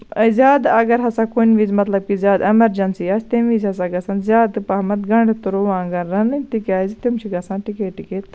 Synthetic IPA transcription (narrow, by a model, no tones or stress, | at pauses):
ɐzʲaːd̪ɐɡɐɾɦɐsakonʋizmɐt̪lɐb̚kizʲaːd̪ɐmɐɾd͡ʒɐnsiaːst̪emizʲɦɐsaɡɐsɐnzʲjaːt̪ɨpɐɦmɐt̪ɡɐɳɖt̪uɾoʋãːŋɡɐnɾɐnɨt̪ikaːzit̪umt͡ʃʰiɡɐsãːnʈikeːʈikeːt̪